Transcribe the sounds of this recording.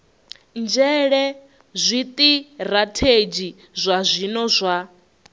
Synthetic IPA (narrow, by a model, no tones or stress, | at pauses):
nd͡ʒɛɺɛ | zʷit̪ʼiɾatʰed͡ʒi | zʷazʷinɔzʷa